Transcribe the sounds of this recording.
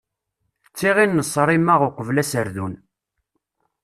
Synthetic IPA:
t͡sːiʁinːəsˤːɾˤimaʁʊqʷəvlæsəɾðun

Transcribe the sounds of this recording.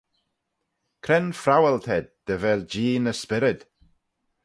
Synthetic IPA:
kʰɾɛnfɾawɛlˠtʰɛd̚d̥əvɛlˠd͡ʒiːnəspɪɾɪd̥

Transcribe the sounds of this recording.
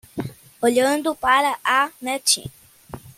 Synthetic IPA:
oʎənd̪upaɾaʔanet͡ʃḭ̃

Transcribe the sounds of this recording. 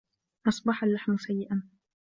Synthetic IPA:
ʔɑsˤbɑħalːaħmʊsajːɪʔan

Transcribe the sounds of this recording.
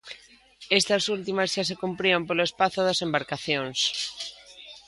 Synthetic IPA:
est̪ɐsult̪imɐzʃasekumpɾiompolʊespaθʊðɐsembaɾkaθjoŋs

